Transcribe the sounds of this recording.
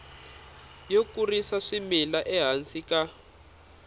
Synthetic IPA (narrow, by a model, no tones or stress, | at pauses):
jokurisaʂimilaʔɛɦansika